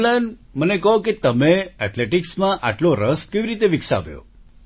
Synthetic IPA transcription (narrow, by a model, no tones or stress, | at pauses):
laən | mənekəɦõket̪əmeɛt̪leʈiksmãʔa̰ʈloɾəskeʋiɾit̪eʋiksa̰ʋjo̰